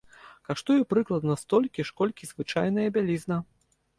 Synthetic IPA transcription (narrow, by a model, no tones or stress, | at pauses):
kaʂt̪ujupɾɨklˠɐd̪nɐst̪ɔlʲkʲiʂkɔlʲkʲizvɨt͡ʂajnɐjɐbʲalʲiznɐ